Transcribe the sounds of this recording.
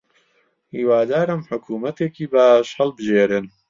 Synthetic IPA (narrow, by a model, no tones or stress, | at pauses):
hiːwaːd̪aːɾɨmħʊkʰuːmɐt̪eːkiːbaːʃhɐlbɨʒeːɾɨn